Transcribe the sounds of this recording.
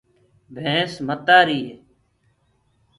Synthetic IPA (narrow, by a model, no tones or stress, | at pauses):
bʱẽːsmət̪aːɾiːɦe